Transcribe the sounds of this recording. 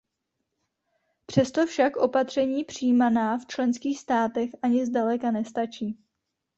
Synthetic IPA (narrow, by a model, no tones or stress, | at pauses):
pr̝̥ɛst̪o̞fʃakʔo̞pat̪r̥ɛɲiːpr̝̥ijmanaːft͡ʃlɛnskiːxst̪aːt̪ɛxʔaɲɪzdalɛkanɛst̪at͡ʃiː